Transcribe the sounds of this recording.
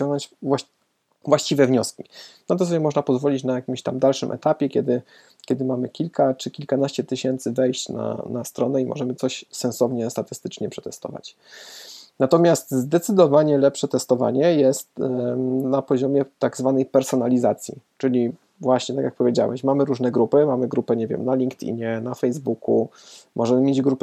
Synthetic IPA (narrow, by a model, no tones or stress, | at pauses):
t͡ɕɔŋɡ̪at͡ɕvwa | vwaɕt͡ɕivɛvɲɔskʲinat̪ɔsɔbʲjɛmɔʐnapɔzvɔlʲit͡ɕnajakʲimɕt̪amd̪alʂɘmʔɛ̰t̪apʲjɛkʲɛd̪ɘ | kʲjɛd̪ɘmamɘkʲilkat͡ʂɘkʲilkanaɕt͡ɕɛt̪ɘɕɛnt̪sɘvɛjɕt͡ɕna̰nast̪ɾɔnɛimɔ̰ʐɛmɘt̪sɔɕsɛnsɔvɲɛst̪at̪ɘ̥st̪ɘt͡ʂɲɛpʂɛ̥t̪ɛst̪ɔ̰va̰t͡ɕ | nat̪ɔmʲjast̪zd̪ɛt̪sɘd̪ɔvaɲɛlɛpʂɛt̪ɛst̪ɔva̰ɲɛjɛst̪ | napɔʑɔmʲjɛt̪aɡzvanɛjpɛɾsɔnalʲizat̪sʲjḭt͡ʂɘlʲi | vwaɕɲɛt̪akʲjak̚pɔvʲjed͡ʑa̰wɛ̰ɕmamɘɾuʐnɛɡɾupɘmamɘɡɾupɛɲɛvʲjɛ̰mnalʲiŋkt̪ʲḭɲɛnafɛjzbuku | mʔɔʐɛmɘmʲjed͡ʑɡɾup